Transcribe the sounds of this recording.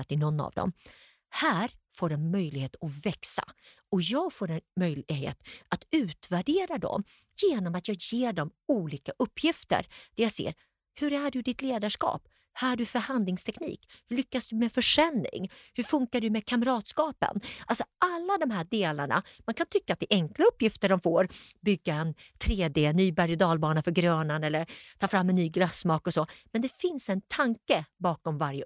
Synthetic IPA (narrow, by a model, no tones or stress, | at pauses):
at̪ɪnɔnːa̰vd̪ɔ̰m | hæːɾfoːɖɛnmœjlɪɡheːt̪ɔvɛksa̰ | ɔjɑːɡfoːɾɛnmœjlɪɪɡɦḛːt̪at̪ʉ̟ːt̪væɖeːɾad̪ɔ̰m | jeːnɔmat̪jɑːɡjeːɖɔmuːliːkaʔɵpːjɪft̪ə̰ɾd̪̥æɾjasḛːɾ | hɵɾæɖɵd̪ɪt̪leːd̪aʂkɑ̰ːp | hæɖɵfœɾhand̪lɪŋst̪ʰɛknḭːkhɵɭʏkːasd̪ɵmɛfœʂɛlːɪ̰ŋhɵɾfɵŋkaɖɵmɛkʰamɾɑːt̪skɑːpə̰nʔalsɔʔalːad̪ɔmɦæːɖeːla̰ɳa̰mankʰant̪ʰʏkːaːt̪̚ɛʔɛŋklaɵpːjɪft̪əɖɔmfoːɾbʏɡːaɛnt̪ʰɾeːd̪eːnyːbæɾjɔd̪ɑːlbɑːnafœɾɡɾøːnanɛlːəɾt̪ʰɑːfɾamːɛnːyːɡlasːmɑːkɔsɔmɛnd̪ɛfɪnsɛnt̪ʰaŋkəbɑːkɔmvaɾjə